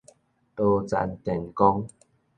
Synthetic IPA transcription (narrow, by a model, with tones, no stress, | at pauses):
t̪o˧t͡sa̰˧˦nt̪ɛ˨˩nkɔ˦ŋ